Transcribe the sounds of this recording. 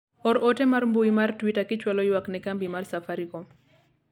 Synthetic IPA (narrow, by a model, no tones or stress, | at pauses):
ɔɾɔtɛmarmbuimartwitakɪt͡ʃwalɔjwaknɛkambimarsafaɾikɔm